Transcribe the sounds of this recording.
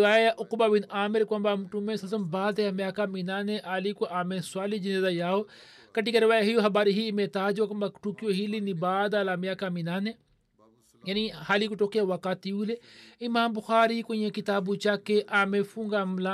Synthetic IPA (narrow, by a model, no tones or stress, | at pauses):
aːjajaʔʊkbabinaːmɪɾkuɐmbamʈumẽsɐsɐmbaːd̪eamjakaminaːnẽʔaːlikuʔaːmẽsʊaːlid͡ʒinezajaːo | kɐʈikɐɾiʋaːjaɦijoɦɐbaːɾiɦiːmẽt̪aːd͡ʒokɐmbakʈukijoɦilinibaːd̪alaːmjaːkaminaːne | janihaːlikuʈoːkijawakaːt̪iuleimaːmbʊxaːɾikoĩjẽkit̪aːbut͡ʃakːeʔaːmẽfuŋɡaːmla